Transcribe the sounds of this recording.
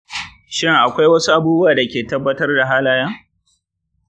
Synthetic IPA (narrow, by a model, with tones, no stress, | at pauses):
ʃɪ˦ŋʔa˨kʷa˦jwɐ˦su˦ʔa˨buː˦bu˦waː˨da˨kʲeː˨tɐ˦bːɐ˦tɐ˦rda˨ɦaː˦laː˦jaː˦